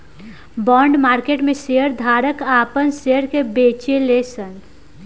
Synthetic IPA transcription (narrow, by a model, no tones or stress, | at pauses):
bɔɳɖmaɾkeʈmesejəɾd̪ʱaɾəkapənsejəɾkebet͡ʃelesən